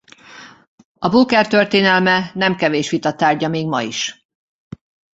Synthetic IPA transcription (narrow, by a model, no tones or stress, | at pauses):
ɒbukɛrt̪ørt̪eːnɛlmɛnɛmkɛveːʃʋit̪ɒt̪ːaːrɟɒmeːɡmɒḭʃ